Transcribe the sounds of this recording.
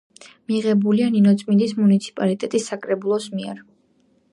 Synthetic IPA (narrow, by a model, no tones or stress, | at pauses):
miʁɛbulianinɔt̪sʼmind̪ismunit̪sʰi̥pʼalit̪ʼɛt̪ʼisːakʼɾɛbulˠɔsmiɛɾ